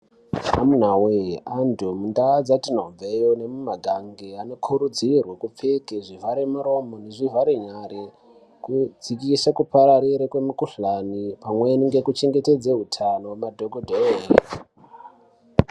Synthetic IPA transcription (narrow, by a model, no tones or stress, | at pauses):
amun̤aweandʱomundad͡zatinoɱvejonemumaɡʱaŋɡeano̞kʰuɾud͡zirwakup͡fekeʐivaɾemuɾo̞moneʐivaɾeɲare | kud͡zikisakupaɾaɾiɾekwemukuɬanipamweniŋɡe̞kut͡ʃe̞ŋɡe̞te̞d͡zeɦutʰanowamadʱoɡʱodʱae